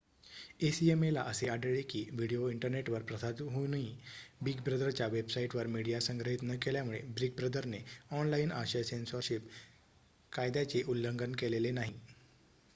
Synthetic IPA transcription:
esiemelaʔəseaɖəɭekiːʋiɽijoiɳʈəɾneʈʋəɾpɾəsad̪ɦonibiɡbɾəd̪əɾt͡ɕjaʋebsaiʈʋəɾmiɽijasəŋɡɾəɦit̪nəkeljamuɭebɾiɡ̚bɾəd̪əɾneɔnlaina̰ɕəsensoɾɕip | kajd̪jat͡seʔulːəŋɡənkelelenaɦi

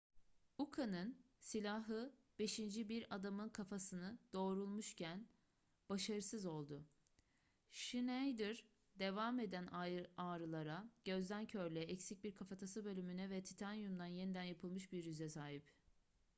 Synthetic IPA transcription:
ukʰanɯn | silʲaɦɯ | b̥e̞ʃind͡ʒibiɾad̪amɯnkʰafasɯnɯd̪̥o̞ːɾulˠmuʃcʰæn | b̥aʃaɾɯsɯzo̞lˠd̪ʊ | ʃinejd̪iɾ | d̪e̞vaːme̞d̪ænaːɾɯlˠaɾaɟ̥ø̞zd̪æncʰøɾlʲɛɛcsic̚biɾkʰafat̪ʰasɯbølʲymynɛvɛt̪ʰi̥t̪ʰanjund̪anje̞nid̪ænjapʰɯlˠmɯʃbiɾjyzɛsaːɦip

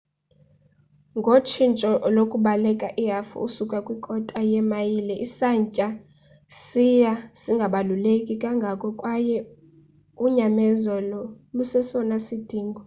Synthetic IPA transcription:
ŋɡʱot͡ʃʰint͡ʃʼɔlokʼuɓalɛkʼaʔiɦafṵusukʼakʼwikʼɔtʼajɛmajilɛʔisaɲcʼa | sijasiŋɡʱaɓalulekʼikʼaŋɡʱakʼɔkʼwajɛ | uɲamɛzɔlɔ | lusɛsɔnasid̥ʱiːŋɡʱɔ

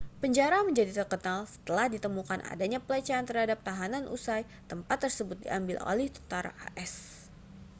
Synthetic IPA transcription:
pəɲd͡ʒaɾaməɲd͡ʒadit̪ərkənalsə̥t̪əlahdit̪əmukana̰daɲapəlat͡ʃaant̪ərhadap̚t̪aɦananʔṵsaj | t̪əmpat̪ːərsəbʊt̪̚dḭʔambɪlo̰lɛht̪u̥t̪aɾa̰ʔa̰ʔɛs

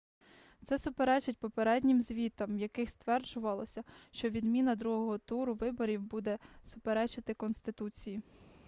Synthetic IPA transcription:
t̪sɛsʊpeɾɛt͡ʃɪt̚ʲpɔpeɾɛdʲnʲɪmzʲʋʲit̪ɐmjɐkɪxst̪ʋɛrd͡ʒʊʋɐlˠɔsʲɐʃt͡ʃɔʋʲid̪mʲinɐd̪ɾuɦɔɦɔt̪uɾʊʋɪbɔɾʲiwbud̪ɛsʊpeɾɛt͡ʃɪt̪ɪkɔnst̪ɪt̪ut͡sʲiji

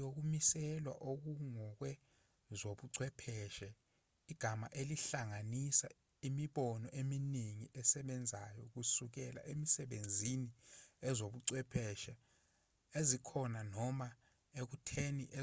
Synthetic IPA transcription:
ok̬umisɛlwa̰ʔok̬uŋɔk̬wɛ | zoɓuǀwɛpʰɛʃɛ | iɡ̥ʱama̰ʔeliɬaŋanisa̰ | imiɓɔnɔʔeminiŋiʔɛsɛɓɛnd͡zʱajɔk̬usuk̬ɛla̰ʔemisɛɓend͡zʱiniɛzoɓuǀwɛpʰɛʃɛ | ezikʰɔnanɔma | ek̬utʰeniʔɛ

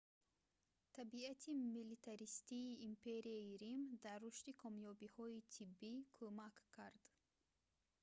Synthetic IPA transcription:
t̪ʰabiat̪ʰimilit̪ʰaɾist̪iːmpʰe̞ɾiaiɾimd̪aɾːuʃt̪ikʰɔmjɔbihɔit̪ʰibːikʰomakkʰːaɾd̪̥

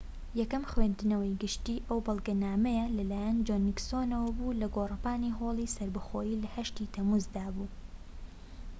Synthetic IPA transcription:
jɛkɐmxwend̪ɨnɐwəjɡɨʃt̪iːʔɐwbɐlˠɡɐnaːmɛjɐlɐlaːjɐnd͡ʒoniksoːnɐwɐbuːlɐɡoːrɨpaːniːɦoːlˠiːsɐɾbɨxoːjiːlɐhɐʃt̪iːt̪ʰɐmuzd̪aːbuː

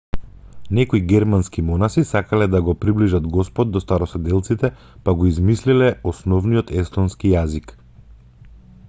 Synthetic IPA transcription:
nɛkoiɡɛɾmanskimɔnasisakalɛd̪aɡɔpɾibliʒad̪ɡɔspɔd̪̚dːɔst̪aɾɔsɛd̪ɛlˠt̪sit̪ɛ | paɡɔizmislilɛɔsnɔvnijɔt̪ɛst̪ɔnskijazik

